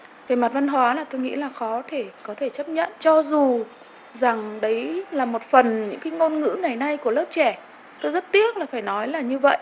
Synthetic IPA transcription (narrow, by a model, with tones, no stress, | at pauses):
faː˧˩jma˨˩t̚va˧nɦwaː˨˦laː˨˩t̪o˧jŋḭ˧˥laː˨˩xɔ˨˦t̪ʰe˧˩kɔ˨˦t̪ʰe˧˩t͡ɕə˦˥p̚ɲə̰˧˨nt͡ɕɔ˧zu˨˩ | za˨˩ŋɗə˨˦jlaː˨˩mo˨˩t̚fə˨˩nɲɨ̰˧˥ŋkaː˨˦jŋo˧nŋɨ̰˧˥ŋa˨˩jna˧jku˧˩ələː˦˥p̚t͡ɕɛ˧˩ | t̪o˧jzə˦˥t̚t̪i˦˥ək̚laː˨˩faː˧˩jnɔ˨˦jlaː˨˩ɲɨ˧və̰˧˨jʔ